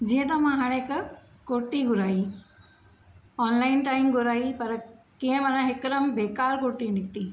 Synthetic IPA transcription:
d͡ʑiːə̃t̪ɐmãɦaːɽ̃ekʰ | koːʈiɡʱʊɾaːi | ɔːnlaːɪnʈaːɪmɡʱʊɾaːipɐɾ | kiɦə̃mɐnãɦɪkɾəmbʱeːkaːɾkoːʈinɪkʈi

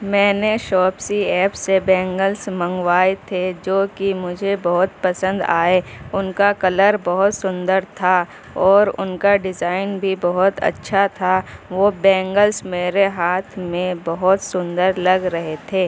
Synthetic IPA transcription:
mɛ̃ːneʃɔːpsiɛːpsebɛ̃ːŋɡəlsmə̃ŋɡwaːet̪ʰed͡ʒoːkimʊd͡ʒʱebɐɦʊt̪pɐsə̃nd̪a̰ːeʊnkakɐləɾbɐɦʊt̪sʊ̃nd̪əɾt̪ʰa | ɔːɾʊ̰nkaɖɪzaːɪnbʱibɐɦʊt̪ɐ̰tːʃʰat̪ʰaʋobɛ̃ːŋɡəlsmeːɾeɦaːt̪ʰmẽbɐɦʊt̪sʊ̃nd̪əɾlɐɡɾɐɦet̪ʰeː

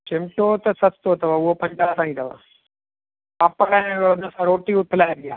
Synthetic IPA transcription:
t͡ʃɪmʈoːt̪ɐsɐt̪t̪oːt̪ɐʋaʊɦopɐ̃ɲd͡ʒaːt̪ãːĩːt̪ɐʋa̰ | apɐɽãnəsãːɾoːʈiʊt̪ʰɪlaːeɡɪjaː

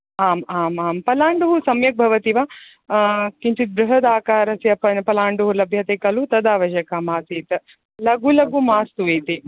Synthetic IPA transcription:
aːmaːmaːmpɐlaːɳɖuɦusɐmjɐk̚bʱɐʋɐt̪iʋɐ | kint͡ʃit̪̚bɾuɦɐd̪aːkaːɾɐsjɐpɐnpɐlaːɳɖuɦulɐbʱjɐt̪eːkɐlut̪ɐd̪aːʋɐʃɐkaːmaːsiːt̪ | lɐɡulɐɡumaːst̪uʋeːt̪i

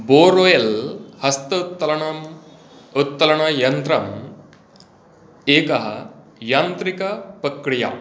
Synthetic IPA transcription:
boːɾojelhɐst̪ɐm | ut̪̚ːɐlɐɳɐjɐnt̪ɾɐm | eːkɐɦɐ | jaːnt̪ɾikɐpɾɐkɽija̰

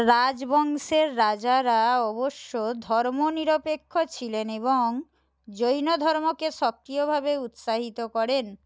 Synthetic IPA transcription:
ɾad͡ʑbɔŋʃeɾːad͡ʑaɾaɔboʃːod̪ʱɔɾmoniɾopekʰːot͡ɕʰileneβoŋ | d͡ʑojnod̪ʱɔɾmokeʃɔk̚ɾiobʱabeut̪ʃaɦit̪okɔɾen

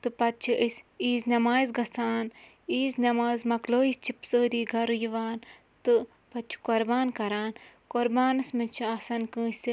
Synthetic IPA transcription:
t̪ɨpɐt̪̚t͡ʃʰiʔisʲiːznɐmaːzɡɐt͡saːn | iːznɐmaːzmɐkloːist͡ʃʰipsəːɾiːɡɐɾɨjuʋaːn | t̪ɨ | pɐtt͡ʃʰi̥koɾbaːnkɐɾaːn | koɾbaːnɨsmɐt͡ʃʰiasɐnkɨ̃ːsi

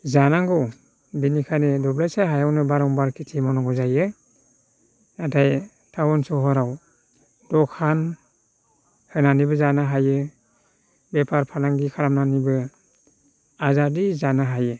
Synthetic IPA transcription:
zanaŋɡɔ | binikʰanedɔblajsaɦajawnɯbaɾɔŋbaɾkʰitʰimɔnɔŋɡɔzajɯ | natʰaj | tʰawɔnsɔɦɔɾaw | d̥ɔkʰan | hɯnanibɯzanaɦajɯ | bepʰaɾpʰalaŋɡikʰaɾamnanibɯ | azaɾdizanaɦajɯ

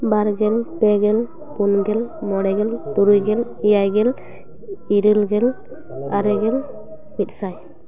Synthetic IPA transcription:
baɾɡɛlpɛɡɛl | punɡɛlmɔɽɛɡɛlt̪uɾujɡɛlijajɡɛl | iɾəlɡɛl | aɾɛɡɛl | mit̪̚ˀsaj

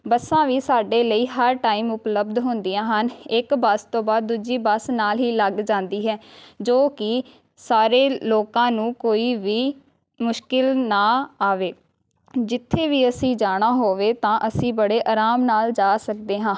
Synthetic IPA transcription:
bəsãːʋiːsaːɖeːləiːɦəɾʈaːiːmʊpləbd̪ɦʊnd̪ɪjãːɦənɪkbəst̪õːbaːd̪ːuːd͡ʒiːbəsnaːlɦiːləɡd͡ʒãːnd̪iːɦɛːd͡ʒoːkɪ | saːɾeːloːkãːnũːkoːiːʋiː | mʊʃkɪlnaːaːʋeː | d͡ʒɪt̪ʰːeːʋiːəsĩːd͡ʒaːɽ̃aːɦoːʋeːt̪ãːʔəsĩːbəɽeːʔaːɾaːmnaːld͡ʒaːsək̚d̪eːɦãː

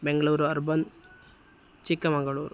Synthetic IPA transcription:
beŋɡɭuːɾuɐɾbɐn | t͡ʃikːɐmɐŋɡɐɭuːɾ

